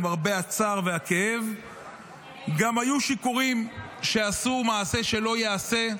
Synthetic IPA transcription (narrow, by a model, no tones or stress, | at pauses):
maʁbeat͡saʁveakeev | ɡamhajuʃikuʁimʃe̞asumaːse̞ʃe̞lo̞jease̞